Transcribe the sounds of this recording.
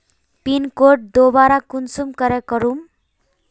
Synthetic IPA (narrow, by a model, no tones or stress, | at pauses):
pinkoʈ̚d̪obaɾakunsumkʌɾɛkʌɾum